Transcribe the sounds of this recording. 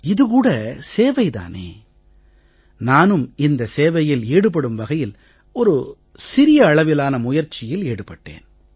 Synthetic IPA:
ɪðɯkuːɽɐseːʋɐɪt̪a̰ːnḛː | naːnɯmɪnd̪ɐseːʋɐjɪleːɽɯpɐɽɯmʋɐɣɐjɪl | ɔɾɯ | sɪɾɪjɐːɭɐʋɪlaːnɐmʊjɐɾt͡ʃːɪjɪleːɽɯpɐʈːḛːn

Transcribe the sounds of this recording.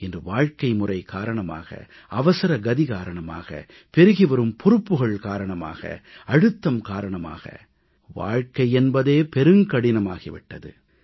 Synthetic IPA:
ɛndrɯʋaːɻkɐɪmʊrɐɪkaːɾɐɳɐma̰ːɣɐ̰ | ɐʋɐsɐɾɐɡɐðɪɣaːɾɐɳɐma̰ːɣɐ̰ | pɛɾɯɣɪʋɐɾɯmpʰɔɾɯpːɯɣɐɭkaːɾɐɳɐma̰ːɣɐ̰ɐɽɯt̪ːɐmkaːɾɐɳɐma̰ːɣɐ̰ | ʋa̰ːɻkɐɪɛnbɐðeːpɛɾɯŋkɐɽɪnɐmaːɣɪʋɪ̰ʈːɐðɯ̰

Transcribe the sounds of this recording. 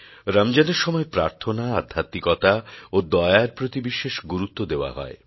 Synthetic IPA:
ɾamd͡ʑaneɾʃɔmɔepɾaɾt̪ʰonaad̪ʱːat̪ːikɔt̪aod̪ɔeaɾpɾot̪ibiʃeʃɡuɾut̪ːod̪eoa̰ɦɔ̰e

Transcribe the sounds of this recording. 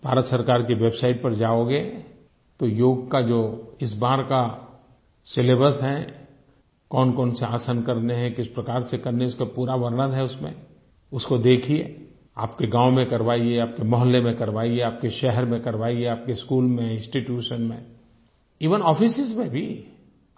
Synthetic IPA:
b̥ʱaːɾət̪sɐɾkaːɾkiʋeːbsaːɪʈ̚pɐɾd͡ʒaːoːɡe | t̪ojoːɡkad͡ʒoːɪsbaːɾka | sɪleːbəɾsɦɛ | kɔːnkɔːnseaːsankɐɾneɦɛ̃kɪspɾɐkaːɾsekɐɾneʊskapuːɾaʋəɾɳ̃əd̪ɦɛʊsmḛ̃ | ʊskod̪eːkʰiḛː | a̰ːpkeɡãːwmẽkɐɾʋaːieaːp̚kemɔɦəlːemẽkɐɾʋaːieaːp̚keʃɛɦɛɾmẽkɐɾʋaːieaːp̚keskuːlmẽɪ̃nsʈiʈjuːʃənmẽ | iːʋənɔːfɪsɪzmẽbʱi

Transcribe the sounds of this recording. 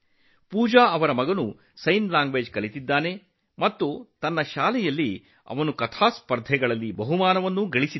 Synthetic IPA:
puːd͡ʒaːɐʋɐɾɐmɐɡɐnu | sɐjnlaːŋɡʋeːd͡ʒkɐlit̪id̪ːaːne̞ | mɐt̪ːut̪ɐnːɐʃaːlɛjɐlːi | ɐ̰ʋɐnukɐt̪ʰaːspɐɾd̪ʱɛɡɐɭɐlːibɐɦumaːnɐʋɐnːuɡɐɭisid̪

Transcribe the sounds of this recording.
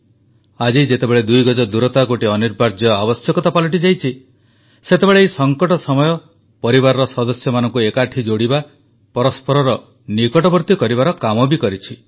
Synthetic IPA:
ad͡ʒid͡ʒet̪ebeɭed̪ujɡɔd͡ʒɔd̪uɾɔt̪aɡoʈiɔniɾbaɾd͡ʒɔabɔsjɔkɔt̪apɔliʈ̬id͡ʒajt͡ʃʰi | set̪ebeɭeejsɔŋkɔʈɔsɔmɔjɔ | pɔɾibaɾɔɾɔsɔd̪ɔsjɔmanɔŋkuekaʈʰid͡ʒoɽiba | pɔɾɔspɔɾɔɾɔ | nikɔʈɔbɔɾt̪ikɔɾibaɾɔkamɔbikɔɾit͡ʃʰi

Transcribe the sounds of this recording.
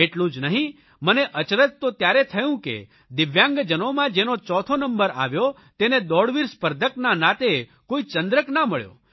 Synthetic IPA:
eʈlũd͡ʒnəɦĩ | məneʔət͡ʃɾət̪t̪ːot̪jaɾet̪ʰəjũkḛ | d̪ɪʋjãŋɡd͡ʒənomãd͡ʒenot͡ʃɔt̪ʰonəmbəɾa̰ʋjo | t̪ened̪ɔɽʋiɾspəɾd̪ʱəknanat̪e | koit͡ʃə̃nd̪ɾəknaməɭjo̰

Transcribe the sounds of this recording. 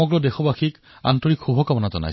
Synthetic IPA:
ɔɡɹɔdexɔbaxik | a̰ntɔɹikxubʱɔkabɔnazɔna̰j

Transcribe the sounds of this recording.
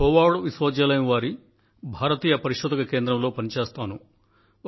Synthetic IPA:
ɦɔːʋaːɽoʋisʋɐːd͡ʒjɐlɐjɐmʋaːɾi | bʱaːɾɐt̪iːjɐpɐɾiʃud̪ɐkɐke̞ːnd̪ɾɐmlo̞ːpɐnit͡ʃeːst̪aːnu

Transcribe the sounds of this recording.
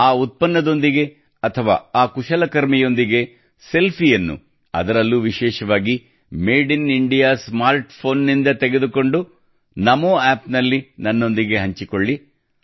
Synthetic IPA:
aːut̪̚pɐnːɐd̪o̞nd̪iɡe̞ | ɐt̪ʰɐʋa̰ːaːkuʃɐlɐkɐɾmijo̞nd̪iɡe̞ | se̞lpʰijɐnːṵ | ɐ̰d̪ɐɾɐlːuːʋiʃɛːʃɐʋaːɡi | meːɖiniɳɖijaːsmaːɾʈpʰo̞ːnːind̪ɐt̪eɡe̞d̪uko̞ɳɖu | nɐmoːaːpnɐlːinɐnːo̞nd̪iɡe̞ɦɐɲt͡ʃikoɭːi

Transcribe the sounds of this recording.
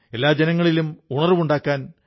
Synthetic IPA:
e̞lːaːd͡ʑenɐŋːɐɭilumuɳɐrɨʋuɳɖaːkːaːn

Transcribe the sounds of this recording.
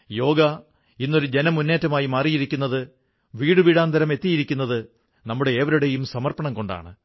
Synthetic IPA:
jo̞ːɡɐ | inːo̞ɾud͡ʑe̞nɐmːunːe̞ːtːɐmaːjimaːrijiɾikʲːunːɐðɨ | ʋiːɽɨʋiːɽaːnd̪ʱɐɾɐme̞t̪ːijiɾikʲːunːɐðɨ | nɐmːuɽe̞ːʋɐɾuɽe̞jumsɐmɐrpɐɳɐmko̞ɳɖa̰ːɳɨ

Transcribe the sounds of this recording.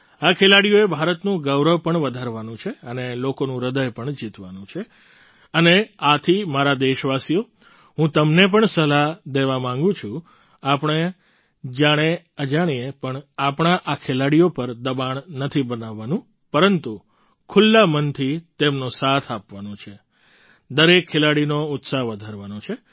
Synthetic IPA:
akʰelaɽijoebʱaɾət̪nũɡəwɾəʋpəɳʋəd̪ʱaɾʋanũt͡ʃʰeənelokonũɾəd̪əjpəɳd͡ʒit̪ʋanũt͡ʃʰe | əneat̪ʰimaɾad̪eʃʋasijo | ɦũt̪əmnep̬əɳsəlad̪eʋamãŋɡũt͡ʃʰũ | apɳ̃e | d͡ʒaɽ̃e | əd͡ʒaɽ̃ijepəɳapɳ̃aʔakʰelaɽijopəɾd̪əbaɳ̃nət̪ʰibənaʋːanũ | pəɾənt̪u | kʰʊlːamənt̪ʰit̪emnosat̪ʰapʋanõt͡ʃʰe | d̪əɾekʰːelaɽinoʊt̪saɦʋəd̪ʱaɾʋanũt͡ʃʰe

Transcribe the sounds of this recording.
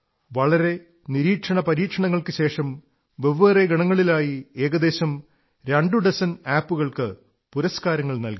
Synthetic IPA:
ʋɐɭɐɾe̞ | niɾiːkʂɐɳɐpɐɾiːkʂɐɳɐŋːɐɭkɨɕe̞ːʂɐm | ʋeʋːereɡɐɳɐŋːɐɭilaːjieːɣɐd̪e̞ːɕɐm | ɾɐɳɖuɖɐsɐnaːpːuɣɐɭkɨ | puɾɐskaːɾɐŋːɐɭnɐlki

